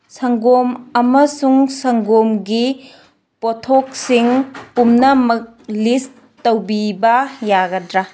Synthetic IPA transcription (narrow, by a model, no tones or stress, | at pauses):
sɐŋɡomɐmɐsuŋsɐŋɡomɡi | potʰok̚siŋpumnɐmɐk̚list | tːɐwbibɐjaɡɐdɾa